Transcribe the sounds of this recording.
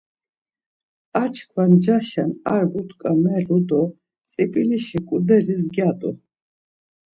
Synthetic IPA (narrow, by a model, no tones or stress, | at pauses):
at͡ʃʰkʰwand͡ʒaʃanaɾɡut̪ʰkʼamɛɾud̪ɔ | t͡sʼipʼiliʃikʼud̪ɛɾizɡjat̪ʼṵ